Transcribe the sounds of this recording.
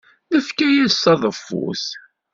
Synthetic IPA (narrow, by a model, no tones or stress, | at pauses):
nəfkæjæsɑðˤəfːṵθ